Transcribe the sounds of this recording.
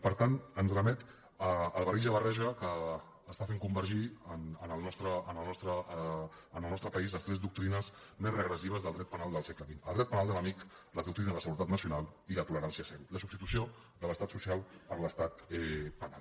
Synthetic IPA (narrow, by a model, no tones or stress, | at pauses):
pəɾt̪anənzrəmɛt̪ | əːlˠβəɾiʒəβərɛʒəkəː | st̪afeŋkumbəɾʒiənənəlˠnɔst̪ɾəənəlnɔst̪ɾəː | nəlˠnɔst̪ɾəpəizləst̪ɾɛzd̪uk̚t̪ɾinəs | mezrəɣɾəsiβ̞əzðəlˠd̪ɾɛt̪̚pənalˠd̪əlˠsɛkləβinəlˠd̪ɾɛt̪̚pənalˠd̪ələmik | ləðuk̚t̪ɾinəðəsəɣuɾət̪at̪nəsiunalˠilət̪uləɾansiəsɛwləsubt̪it̪usio | ðələst̪at̪susialˠpəɾləst̪at̪ɛpəna̰lˠ